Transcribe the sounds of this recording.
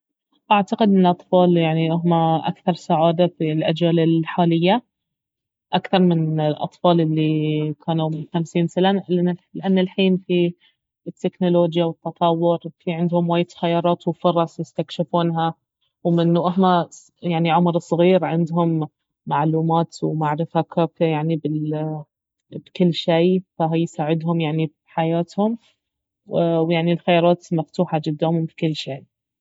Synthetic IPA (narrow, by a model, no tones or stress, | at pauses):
ʔaʕt̪aqɪd̪ʔɪnɪlʔɑt̪ˤfɑːljaʕniʔʊɦmaʔa̰kθɑɾˤsaʕaːd̪afilʔad͡ʒaːlɪlħaːlɪjːa | ʔakθɑɾˤmɪnɪlʔɑ̰t̪ˤfɑːlʔɪlːikʰaːnumʊt̪amsiːnsɪlanlɪʔanːɪlħiːnfi | ɪt̪ːɪknʊloːd͡ʒjawɪt̪ːɑt̪ˤɑwːʊɾfiʕɪnd̪hʊmwaːjːɪt̪xajːɑːɾˤɑːt̪wfɑɾˤɑsˤjɪst̪akʃɪfuːnɦa | wmɪnːuʔaɦma | jaʕniʕʊmɾsˤɣiːɾʕɪnd̪ɦʊmː | aʕluːmaːt̪wmaʕɾɪfakʰaːkajaʕnibɪ | bkɪlːʃiːfaɦjsaːʕɪd̪ɦʊmjaʕnib | ħajaːt̪hʊm | wjaʕnilxajɑːɾˤɑːt̪maft̪uːħad͡ʒɪd̪ːaːmʊmfi̥kɪlːʃeː